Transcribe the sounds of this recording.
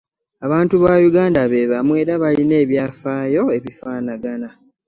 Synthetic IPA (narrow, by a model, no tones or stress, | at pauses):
aβaːntuβaːjuɡaːndaβe̞ːβamue̞ːɾaβaline̞ːβjaːfaːjo̞e̞βifaːnaɡana